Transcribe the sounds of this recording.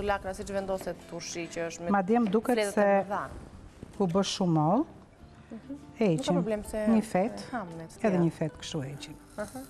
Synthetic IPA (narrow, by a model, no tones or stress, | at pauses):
t̪ulaknasit͡ʃvɛnd̪ɔsɛt̪uɾʃicəəʃt̪mɛmad̪jɛmd̪ukɛtɛsɛða | ubəʃʃumɔlˠ | ɛt͡ʃimblɛmsɛɲəfɛt̪amnɛɛðɛɲəfɛt̪kʃt̪uɛit͡ʃin | ah